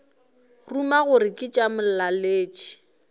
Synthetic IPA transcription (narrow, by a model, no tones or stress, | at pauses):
rumaɣʊrɪkʼɪt͡ʃʼamʊlaleːt͡ʃʼi̥